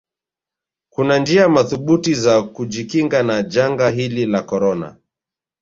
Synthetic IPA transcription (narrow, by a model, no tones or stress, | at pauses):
kunand͡ʒiamaθuɓutizakud͡ʒikiŋɡanad͡ʒaŋɡaɦililakɔɾɔna̰